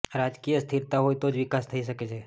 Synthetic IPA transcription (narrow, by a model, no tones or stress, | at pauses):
ɾad͡ʒkijəst̪ʰiɾt̪aɦojt̪od͡ʒʋɪkast̪ʰəiʃəket͡ʃʰe